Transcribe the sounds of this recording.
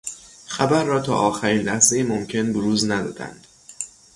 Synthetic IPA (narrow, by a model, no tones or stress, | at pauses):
xæbæɾːɒːt̪ʰɒ̰ːʔɒːxæɾiːnlæhzejiːmomcʰe̞nboɾuːznæd̪ɒ̰ːd̪æ̰nd̪̥